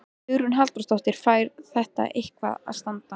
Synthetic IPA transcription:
ʏɾʏnɦalt̪ɾɔ̥st̪ɔwht̪ɪɾ̥faːjɾθɛht̪a̰ʔehkva̰ða̰ðst̪ant̪a

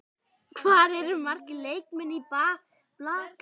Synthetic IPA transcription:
kʰvaːɾɛɾʏmar̥cɪleːjkmɛnːipaːɣ | plaːk

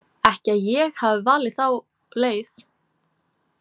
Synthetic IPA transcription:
ɛhcɪaðjɛɣhavvaːlɪθaw | leːjθ

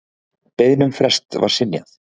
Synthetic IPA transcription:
pejðnʏmfɾɛst̪va̰ɾ̥sɪnja̰θ

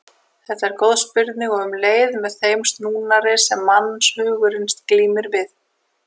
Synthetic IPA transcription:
θɛht̪aɛɾkowðspɪɾt̪nɪɣɔɣʏmleːjðmɛðθejmst̪nuːnaɾɪsɛmːanːshʏːɣʏɾɪnst̪kliːmɪɾvɪð

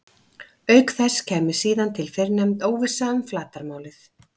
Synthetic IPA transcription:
œɥkθɛsːcʰɛːmɪɾ̥siːðant̪ʰɪlfɪɾnɛmt̪oːwvɪ̥saːʏmflaːt̪aɾmaːwlɪθ

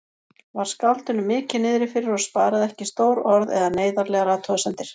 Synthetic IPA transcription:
vaɾ̥skalt̪ʏnʏmɪːcɪnɪːðɾɪfɪɾɪɾɔɣspaːɾaðɛhcɪst̪oːwɾɔɾðɛ̰ðaneːjðaɾlɛːɣaɾaːt̪ʰɔsɛnt̪ɪɾ̥

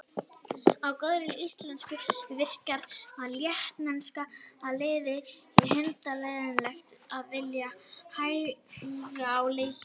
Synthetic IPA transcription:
awkœðɾɪlist̪lɛnskʏvɪr̥kaɾvaðljɛht̪nanskaaðlɪːðɪhɛnt̪alɛjðɪnlaxt̪aðvɪljahaːjfiɣaawlej

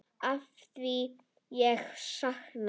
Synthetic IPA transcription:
afθi | jɛxʃaxn

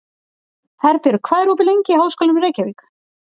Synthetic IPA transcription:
θaɾpjɪɾʏkʰvaːðɛɾuːp̬ɪlejɲcɪhawskɔlaʏmreːjcaviːk

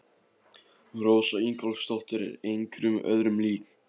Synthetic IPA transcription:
roːwsaiŋkalst̪ɔl̥t̪ɪɾɪ̰ɾejŋkɾʏmœ̰ðɾʏmliːk

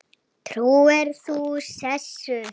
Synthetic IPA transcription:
t̪ʰɾuːɛɾθusɛsːʏ

